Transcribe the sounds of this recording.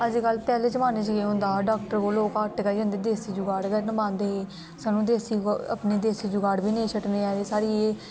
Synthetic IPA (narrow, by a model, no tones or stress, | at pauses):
əd͡ʒikəlpɛːleːd͡ʒəmãːneːt͡ʃɡeːɦʊ̃nd̪aːɖaːkʈəɾkoːloːkaʈɡaːiːə̃nd̪eːd̪eːsiːd͡ʒʊɡaːɽɡəɾnəmãːnd̪eːɦeː | saːnːũːd̪eːsiːə̰pneːd̪eːsiːd͡ʒʊɡaːɽbʱiːnẽːt͡ʃʰəʈneːɛːeːsaːɾiːeː